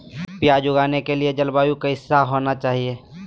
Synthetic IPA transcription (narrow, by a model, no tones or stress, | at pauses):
pjad͡ʒʊɡaːnekelied͡ʒɐlbaːjukaɪsːaɦoːnat͡ʃaːɦie